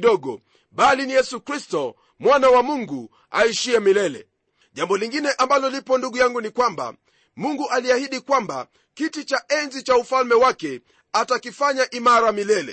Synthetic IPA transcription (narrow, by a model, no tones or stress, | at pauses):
ɗɔɡɔ̰ | ɓalinijɛsukɾistɔ | mwanawamuŋɡu | a̰iʃiɛmilɛlɛ̰ | ʄambɔliŋɡinɛʔambalɔlipɔnduɡujaŋɡunikwamba̰ | muŋɡuʔaliahiɗikwamba̰ | kitit͡ʃaʔɛnzit͡ʃaufalmɛwakɛ | atakifaɲaʔimaɾamilɛlɛ̰